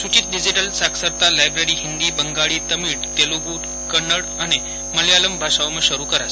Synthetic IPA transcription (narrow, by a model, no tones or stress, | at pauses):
sut͡ɕiːt̪̚ɖid͡ʑiʈəlsaksəɾt̪alajbɾeɾiːɦind̪iːbəŋɡaɭiːt̪əmiːɽt̪eloɡuːʈ̪ | kəɳəɽane | məljaləmbʱaʂaʋməɕəɾuːkəɾa̰s